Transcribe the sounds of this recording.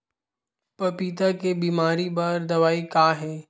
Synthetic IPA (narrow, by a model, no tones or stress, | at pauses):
pɐpiːt̪akebiːmaːɾibaːɾd̪ɐʋaːikaːɦeː